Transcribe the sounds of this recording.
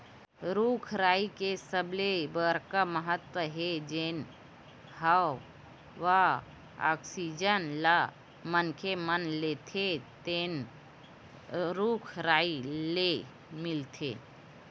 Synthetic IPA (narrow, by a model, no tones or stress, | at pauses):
ɾuːkʰɾaːikesəblebəɾkaməɦət̪wəɦed͡ʒeːn | haw | ʋa | a̰ːksid͡ʒənla | mənkʰemənlet̪ʰet̪en | ɾukʰɾaːile | milt̪ʰḛ